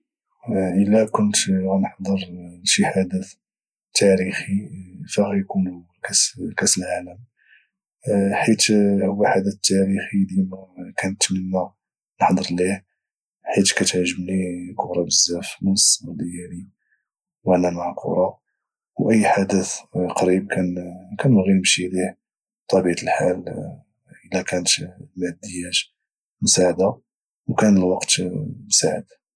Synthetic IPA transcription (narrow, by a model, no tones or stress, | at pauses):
ʔəlːækʊnt̪ɣænəħd̪ˤəɾnʃiħad̪ət̪ | t̪ːæɾixifæɣæjkun | kæskæsəlʕaləm | ħit̪hʊwːæħad̪ət̪t̪ːæɾixid̪imækænət̪mənːæ | nəħd̪ˤəɾˤlih | ħit̪kæt̪ʕʒːəmnikʊɾˤɑbəzːæfmənsmud̪jæɾi | wənæmaʕakʰṵɾˤɑ | wʔəjːħad̪əθqɑɾib̚kænkænɣiɾmʃiliʕ | t̪ˤːɑbiʕt̪əlħal | ʔəlːækænət̪mæd̪ːəjːæt̪ | mʊsaʕd̪a | wkænəlwɑqt̪msaʕəd̪